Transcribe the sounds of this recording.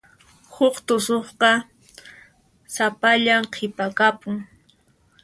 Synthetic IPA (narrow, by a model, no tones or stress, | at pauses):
hʊχt̪ʊsoχqɑ | sapaʎamqʰɪpakapʊŋ